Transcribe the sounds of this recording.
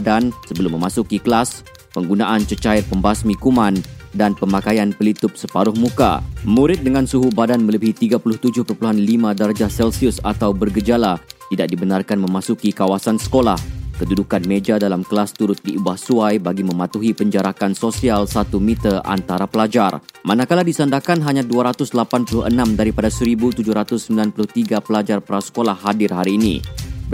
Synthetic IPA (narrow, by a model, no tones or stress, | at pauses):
dansəbəlʊmːə̃masukikəlas | pəŋɡunaʔant͡ʃət͡ʃaɪrpəmbasmikumãndanpəmakajanpəlit̪ʊp̚səpaɾʊhmuka̰mũɾɪt̪̚dəŋãnsuɦubadanmələbiɦit̪iɡapulʊht̪ud͡ʒʊhpərpuluɦanlimãdaɾad͡ʒasɛlsiʊsat̪awbərɡəd͡ʒalat̪idak̚dibənarkanmə̃masukikawasansə̥kolahkədudukanmed͡ʒadalamkəlast̪uɾʊt̪̚diubahsuajbaɡimə̃mat̪uɦipəɲd͡ʒaɾakansosialsat̪umit̪əʔa̰nt̪aɾapəlad͡ʒarmanakaladisandakanɦaɲãduaɾat̪ʊslapanpulʊhənãmdaɾipadasəɾibut̪ud͡ʒʊhɾat̪ʊsːəmbilanpulʊht̪iɡapəlad͡ʒarpəɾasə̥kolahːadɪrɦaɾiːnḭ